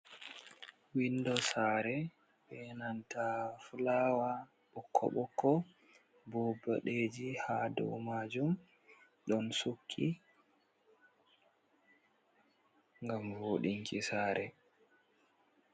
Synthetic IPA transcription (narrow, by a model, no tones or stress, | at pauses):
windɔsaːɾɛ | ɓɛnantafulawa | ɓɔkʰːɔ̰ɓɔkʰːɔ | bɔbaɗed͡ʒihadɔ̰wmaːd͡ʒum | ɗɔnsukʰːi | ŋɡamvoɗiŋkʰisaːɾɛ